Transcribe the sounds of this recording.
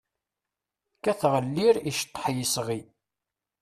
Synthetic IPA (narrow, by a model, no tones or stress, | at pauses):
kæθʁəlːiɾiʃt̪ˤːħjisʁi